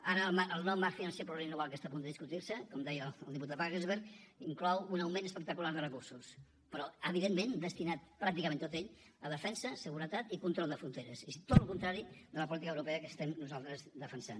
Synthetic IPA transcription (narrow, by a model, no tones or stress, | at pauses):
aɾəlmaʔəlˠnɔmafinənsepɾuβeinoβalˠkəst̪apund̪əðiskut̪iɾsəkɔmd̪ɛjəəlˠd̪ip̬ut̪at̪̚βaɣezβeɾkiŋklɔwunəwmẽnəspək̚t̪əkulaɾðərəkuɾsus | pəɾɔəβiðemːẽnd̪əst̪inat̪̚pɾak̚t̪ikəmẽnt̪ot̪eʎəðəfɛnsəsəɣuɾət̪at̪ikunt̪ɾɔlˠd̪əfɾunt̪eɾəsit̪ot̪lukunt̪ɾaɾid̪ələpulit̪ikəwɾupeəkəst̪ɛmnuzalˠt̪ɾəzd̪əfənsa̰n